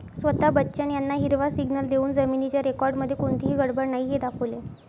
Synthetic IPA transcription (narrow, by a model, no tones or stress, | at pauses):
sʋət̪abətːɕjanjanːaɦiɾʋasiɡnəld̪euːnd͡zəminit͡ɕjaɾekɔɾɖməd̪ʱːjekoɳt̪iɦiːɡəɽbəɾnaɦiɦed̪akʰəʋle